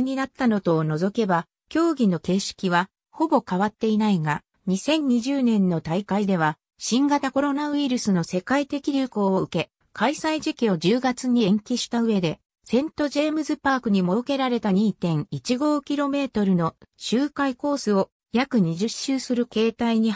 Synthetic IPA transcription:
ɲ̟inat̪ːano̞t̪o̞ːno̞zo̞ke̞ba | kʲo̞ːɡʲino̞ke̞ːɕi̥kʲiβ̞a | ho̞bo̞kaβat̪ːe̞inaiɡa | ɲ̟isẽ̞ɲ̟ːiʑɨːnẽ̞nːo̞t̪aikaid̪e̞β̞a | ɕĩŋɡat̪ako̞ɾo̞naɯ̟iɾɯ̟sɨno̞se̞kait̪e̞kʲiɾʲɯko̞ːoɯ̟ke̞ | kʰaisaid͡ʑikʲio̞ʑɨːɡat͡sɨɲ̟iẽ̞ŋkʲiɕi̥t̪aɯ̟e̞d̪e̞ | sẽ̞nt̪o̞ʑe̞ːmɯ̟zɨpaːkɯ̟ɲ̟imo̞oke̞ɾaɾe̞t̪aɲ̟iːt̪ẽ̞ŋ̃it͡ɕiɡo̞ːkʲiɾo̞me̞ːt̪o̞ɾɯ̟no̞ɕɨːkaiko̞ːsɨo̞ | jakɯ̟ɲ̟iʑɨɕːɨːsɨɾɯ̟ke̞ːt̪aiɲ̟i

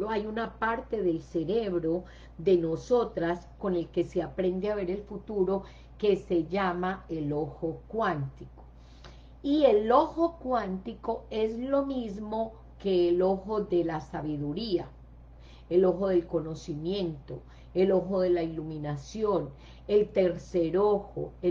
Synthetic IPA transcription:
ajunapaɾt̪e̞ðe̞lse̞ɾeβɾo̞ | d̪e̞no̞so̞t̪ɾasko̞ne̞lke̞seapɾe̞nd̪eaβe̞ɾe̞lfut̪uɾo̞ | ke̞se̞ʝamae̞lo̞xo̞kwant̪iko̥ | ie̞lo̞xo̞kwant̪iko̞e̞zlo̞mizmo̞ | ke̞ːlo̞xo̞ðe̞lasaβiðuɾia | elo̞xo̞ðe̞lko̞no̞simjẽ̞nt̪o̞ | e̞lo̞xo̞ðe̞lailumĩnasjo̞n | e̞lt̪e̞ɾseɾoxo̰

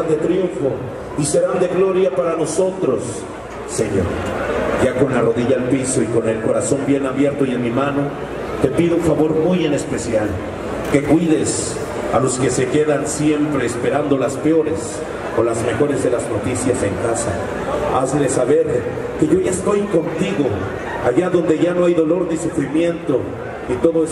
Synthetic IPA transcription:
and̪e̞t̪ɾjuɱfo̞ | ise̞ɾand̪e̞ɣlo̞ɾjapaɾano̞so̞t̪ɾo̞sː | e̞ɲo̞̰ɾʝako̞nlaro̞ðiʝaːlpiso̞iko̞ne̞lko̞ɾaso̞mbje̞naβje̞ɾt̪o̞ie̞nmimano̞ | t̪e̞piðouɱfaβo̞ɾmujene̞spe̞sjal | ke̞kwiðe̞s | alo̞ske̞se̞ke̞ðansje̞mpɾe̞ːspe̞ɾand̪o̞laspeo̞ɾe̞s | olazme̞xo̞ɾe̞zðe̞lazno̞t̪isjase̞ŋkasa̰ | azlesaβe̞ɾ | ke̞ʝo̞ʝaest̪o̞jko̞nt̪iɣo̞ | aʝaðo̞nd̪e̞ʝano̞ajðo̞lo̞ɾnisufɾimje̞nt̪o̞ | nit̪o̞ðo

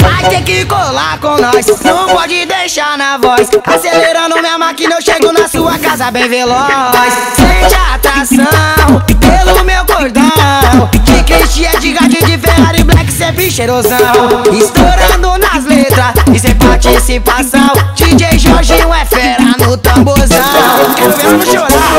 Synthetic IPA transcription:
majst̪ẽj̃kɪkolaɾkõnɔsnɐ̃w̃pɔd͡ʒɪd̪ejʃaɾnɐvɔsaseleɾɐ̃nʊmɐmakĩnewʃeɡonɐsuɐkazɐbẽj̃velɔssẽt͡ʃɐat̪ɾasɐ̃w̃pelʊmewkoɾd̪ɐ | kɪket͡ʃiɛd͡ʒiɡad͡ʒid͡ʒɪfeɾaɾɪ̃blɛkɪ̥sepɾiʃeɾozɐ̃w̃ɪst̪oɾɐ̃d̪ʊnɐzlet̪ɾɐsɪsẽpaɾt͡ʃisipasɐ̃w̃t͡ʃid͡ʒeʒɔʒiũɛfɛɾɐnʊt̪ɐ̃bozɐ̃kẽmezmʊ̃ʃoɾa

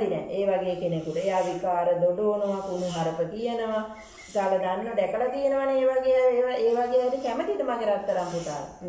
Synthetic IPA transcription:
d̪inɛ̰eːʋaɡejekenekut̪əejaːʋikaːɾəd̪oɖoːnəʋakunuɦaɾəpət̪ijenəʋa | salad̪anːoɖɛkəlat̪ijenəʋaneeːʋaɡeaeːʋaɡejaɾikɛmət̪it̪əmaɡeɾat̪ːəɾampɾut̪a̰ːɾ̰

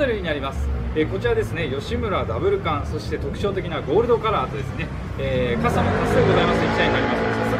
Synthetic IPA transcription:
eɾɯ̟ɲ̟inaɾʲimasɨ̥e̞ko̞t͡ɕiɾad̪e̞sɨne̞jo̞ɕimɯ̟ɾad̪abɯ̟ɾɯ̟kãñso̞ɕi̥t̪e̞t̪o̞kɯ̟̥ɕo̞ːt̪e̞kʲinaɡo̞ːɾɯ̟d̪o̞kaɾaːt̪o̞d̪e̞sɨne̞ | eːkasamonaseɡo̞zaimasɨt̪eikʲit̪aiɲiaɾʲimasɨemas

